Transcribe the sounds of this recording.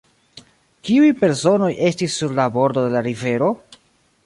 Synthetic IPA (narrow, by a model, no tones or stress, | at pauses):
kiujpe̞ɾso̞no̞jʔe̞stisːuɾlabo̞ɾd̪o̞de̞laɾive̞ɾo̞